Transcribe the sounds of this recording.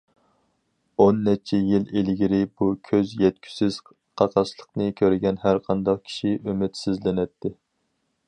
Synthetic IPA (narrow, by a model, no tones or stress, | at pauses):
onːɛt͡ʃʰɛjilelɡʲiɾɪbukʲʰøzjɛt̪̚kʲʰy̥sɪz̥ | qʰɑqʰɑʃlˠəqnɨkʲʰøɾɪɡʲɛnhæɾqʰɑnd̪ɑq̚kʲʰi̥ʃiʔymɪt̪sɪzlɪnɛt̪ʰːɪ